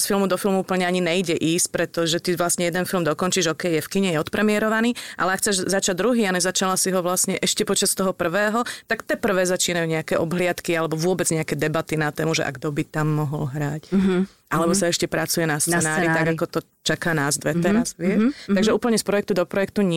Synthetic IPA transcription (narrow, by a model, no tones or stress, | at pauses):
sfilmud̪ɔfilˠmuuːpl̩ɲɛaɲinɛiɟɛʔiːsc̚pɾɛt̪ɔʒɛt̪iʋlasɲɛjɛd̪ɛnfilmd̪ɔkɔnt͡ʃiʒɔkɛjjɛfkiɲɛjɛɔt̪pɾɛmɪɛɾɔʋaniːʔa̰lɛakxt͡sɛʒzat͡ʃaɟd̪ɾuɦiːaɲɛzat͡ʃalasiɦɔʋlasɲɛʔɛʃcɛpɔt͡ʃast̪ɔɦɔpr̩ʋɛːɦɔt̪akt̪ɛpr̩ʋɛːzat͡ʃiːnajuɲɛakɛʔɔbɦlɪat̪kialɛbɔʋʊɔbɛd͡zɲɛakɛːd̪ɛbat̪inat̪ɛːmuʒɛ̰ʔa̰ɡd̪ɔbit̪amːɔɦɔlɦɾac | ʔalɛbɔsaɛʃcɛpɾat͡sujɛnast͡s̪ɛnaːɾɾit̪ːaɡakɔt̪ɔ | t͡ʃakaːnaːzd̪ʋɛt̪ɛɾasʋɪɛʃt̪aɡʒɛuːpl̩ɲɛspɾɔjɛk̚t̪ud̪ɔpɾɔjɛk̚t̪uɲ